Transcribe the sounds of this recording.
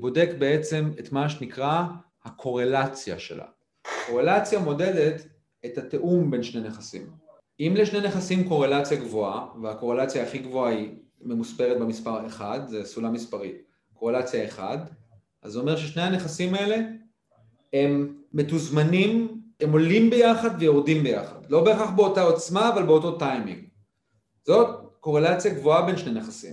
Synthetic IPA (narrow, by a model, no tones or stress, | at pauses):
bo̞de̞kbe̞et͡se̞metmaʃ̬enikʁa | hakʰo̞ʁe̞lat͡sja̰ʃe̞̰la̰ | ko̞ʁe̞lat͡sjamo̞de̞det | ethate̞ʔumbe̞nʃneneχasḭm | imleʃne̞jneχasimko̞ʁe̞lat͡sjaɡvoaveako̞ʁe̞lat͡sjaːχiɡvoai | me̞muspe̞ʁet̚bemispaʁeχad̪zesulamispaʁit | ko̞ʁelat͡sjaeχa̰d | ʔazeo̞me̞ʁʃeʃne̞hane̞χasimae̞le̞ | emːe̞tuzmanimemo̞limbe̞jaχad̪vejo̞ʁdimbe̞jaχa̰dlo̞beːχaχbeotao̞t͡smaːvalbeototajmḭ̃ŋɡ | zo̞tko̞ʁe̞lat͡sjaɡvoabe̞nʃne̞neχasḭm